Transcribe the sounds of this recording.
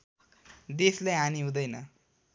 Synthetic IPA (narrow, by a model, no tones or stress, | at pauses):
d̪eslejɦaniɦũd̪ʌjnʌ̰